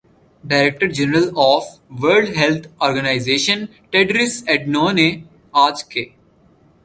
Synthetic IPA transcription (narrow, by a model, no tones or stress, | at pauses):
ɖaɪɾek̚ʈəɾd͡ʒɛnəɾəlɔːfʋəɾɖɦɛlt̪ʰɔːɾɡənaɪzeːʃə̃n | ʈeɖɾɪsɛɖnoːne | aːd͡ʒkeː